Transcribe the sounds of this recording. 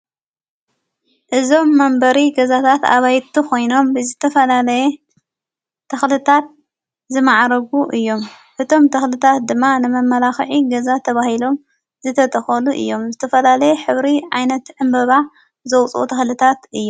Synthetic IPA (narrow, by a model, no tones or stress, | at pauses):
ʔɨzo̞mːɐmbɐɾiɡɐzat̪ʰat̪a̰βajt̪ʰukʰo̞jno̞mbɨzɨt̪ʰɐfɐlalɐje | t̪ʰɐxlɨt̪ʰat̪̚ | zɨmaʕɾɐɡuʔɨjːo̞m | ʔɨt̪ʰo̞mt̪ʰɐxlɨt̪ʰat̪̚d̪ɨmːanɨmɐmːɐlaxʕiɡɐzat̪ʰɐβahilo̞m | zɨt̪ʰɐt̪ʰɐxɐluʔɨ̰jːo̞mzɨt̪ʰɐfɐlalɐjɛħɨβɾiʕajnɐt̪ʕɨmbɐβa | zɐwt͡sʼʔṵt̪ʰɐxlɨt̪ʰat̪ʔɨjːu